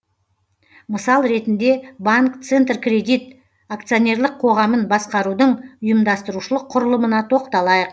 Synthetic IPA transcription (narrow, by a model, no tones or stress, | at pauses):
məsɑlˠɾe̞t̪ɪnd̪e̞baŋkt̪sent̪rkrʲe̞d̪ijt̪̚ | akt̪sionʲe̞rlˠəqʰo̞ʁɑmənbɑsqɑɾud̪əɴʊjəmd̪ɑst̪əɾuʃəlˠəqʰːʊɾəlˠəmənɑt̪ʰo̞qt̪ɑlˠɑjəq